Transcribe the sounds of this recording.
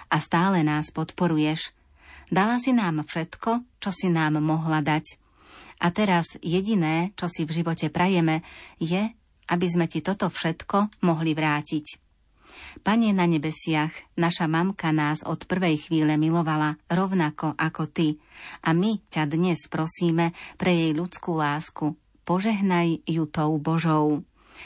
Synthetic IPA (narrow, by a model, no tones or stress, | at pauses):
ʔast̪aːlɛnaːspɔt̪pɔɾujɛʃ | d̪alasinaːmfʃɛt̪kɔt͡ʃɔsinaːmːɔɦlad̪ac | ʔat̪ɛɾazjɛɟinɛːt͡ʃɔsivʒiʋɔcɛpɾajɛmɛjɛ | ʔabizmɛcit̪ɔt̪ɔfʃɛt̪kɔmɔɦliʋɾaːcic | paɲɛnaɲɛbɛsɪaxnaʃamamkanaːzɔt̪pr̩ʋɛjxʋiːʎɛmilɔʋalaɾɔʊnakɔʔakɔt̪iʔamicad̪ɲɛspɾɔsiːmɛpɾɛjɛjʎut͡skuːlaːsku | pɔʒɛɦnajjut̪ɔʊbɔʒɔʊ